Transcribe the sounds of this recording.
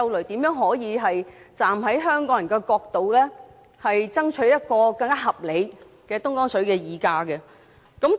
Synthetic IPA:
ɐ˧wlɵ˨˩ɥt̪iː˨˥mjœː˨˥ŋɦɔː˨˥jiː˨˧ɦɐ˨jt͡saː˨˩mɦɐ˨˥jɦœː˥ŋkɔː˨˥ŋjɐ˨˩ŋkɛː˧kɔː˧k̚t̪o˨wlɛː˥ | hɐ˨jt͡sɐ˥ŋt͡ʃʰɵ˨˥ɥjɐ˥t̚kɔː˧kɐ˧ŋkaː˥ɦɐ˨p̚le˨˧j | kɛː˧t̪ʊ˥ŋkɔː˥ŋsɵ˨˥ɥkɛː˧jiː˨kaː˧kɛ˧ | kɐ˨˥m

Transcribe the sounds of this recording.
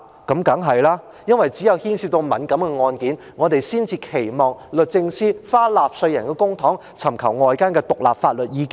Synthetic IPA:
kɐ˨˥mkɐ˨˥ŋɦɐ˨jlaː˥ | jɐ˥nwɐ˨jt͡siː˨˥jɐ˨˧whiː˥nsiː˧t̪o˧wmɐ˨˥nkɐ˨˥mkɛː˧ŋɔː˧nkiː˨˥n | ŋɔː˨˧te˨jsiː˥nt͡siː˧kʰe˨˩jmɔː˨ŋlɵ˨t̚t͡sɪ˧ŋsiː˥faː˥laː˨p̚sɵ˧ɥjɐ˨˩nkɛː˧kʊ˥ŋt̪ʰɔː˨˥ŋ | t͡sʰɐ˨˩mkʰɐ˨˩wŋɔː˧jkaː˥nkɛː˧t̪ʊ˨k̚la̰ː˨p̚faː˧t̚lɵ˨t̚jiː˨˧k

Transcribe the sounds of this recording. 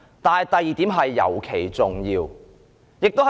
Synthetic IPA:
t̪aː˨jt̪ɐ˨jiː˨t̪iː˨˥mɦɐ˨jːɐ̰˨˩wkʰe˨˩jt͡sʊ˨ŋjiː˧w | jɪ˨k̚t̪o˥w

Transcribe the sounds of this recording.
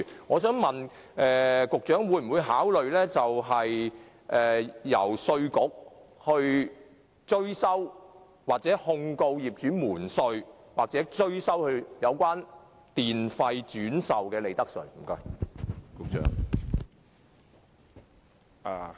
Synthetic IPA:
ŋɔː˨˧sœː˨˥ŋmɐ˨n | ʔɛː˨kʊ˨k̚t͡ʃœː˨˥ŋwu˨˧jm̩˨˩wuː˨˧jɦaː˨˥wlɵ˨ɥlɛː˥t͡sɐ˨wɦɐ˨j | ʔɛː˨jɐ̰˨˩wsɵ˧ɥkʊ˨˩k̚hɵ˧ɥ | t͡ʃɵ˥ɥsɐ˥w | waː˨˩k̚t͡sɛː˨˥hʊ˧ŋko˧wjiː˨p̚t͡ʃyː˨˥muː˨˩nsɵ˧ɥ | waː˨k̚t͡sɛː˨˥t͡ʃɵ˥ɥsɐ˥whɵ˧ɥjɐ˨˧wkʷaː˥n | t̪iː˨nfɐ˧jt͡ʃyː˨˥nsɐ˨wkɛː˧le˨˧jt̪ɐ˥k̚sɵ̰˨˩ɥm̩˨˩kɔː˧ɥkʊ˨k̚t͡ʃœ̰ː˨˥ŋ | a̰ː˨˩

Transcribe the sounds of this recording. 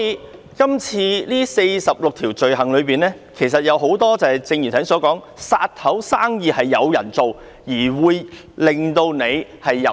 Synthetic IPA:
i˨˧ | kɐ˥mt͡sʰiː˧liː˥se˧jsɐ˨p̚lʊ˨k̚t̪ʰiː˨˩wt͡ʃɵ˨ɥɦɐ˨˩ŋlɵ˨˧ɥpiː˨˩nlɛː˥kʰe˨˩jsɐ˨t̚jɐ˨˧wɦo˨˥wt̪ɔː˥t͡sɐː˨˩jt͡sɪ˧ŋjy˨˩t̪ʰɐ˨˥ŋsɔː˨˥kɔː˨˥ŋ | saː˧t̚t̪ʰɐ˨˥wsaː˥ŋjiː˨˧hɐ˨jːɐ˨˧wjɐ˨˩nt͡so˨w | jiː˨˩wuː˨˧j | lɪ˨ŋt̪o˧wne˨˧jhɐ˨j

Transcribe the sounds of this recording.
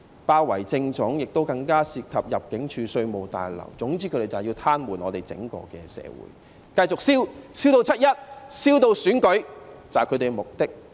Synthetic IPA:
paː˧wɐ˨˩jt͡sɪ˧ŋt͡sʊ˨˥ŋjɪ˨k̚t̪o˥wkɐ˧ŋkaː˥siː˧p̚kʰɐ˨p̚jɐ˨p̚kɪ˨˥ŋt͡ʃʰyː˨˧sɵ˧ɥmo˨wt̪a̰ː˨jlɐ̰˨˩wt͡sʊ˨˥ŋt͡siː˥kʰɵ˨˧ɾe˨˩jt͡sɐ˨˩wjiː˧wt̪ʰaː˥nwuː˨˩nɔː˨˧t̪e˨jt͡sɪ̰˨˥ŋkɔ̰ː˧kɛ̰ː˧sɛ̰ː˨˧wṵ˨˧˥j | kɐ˧jt͡sʊ˨k̚siː˥wsiː˥wt̪o˧wt͡sʰɐ˥t̚jɐ˥t̚siː˥wt̪o˧wsyː˨˥nkɵ˨˥ɥt͡saː˨kʰɵ˨˧t̪e˨˩mʊ˨k̚t̪ɪ˥k̚

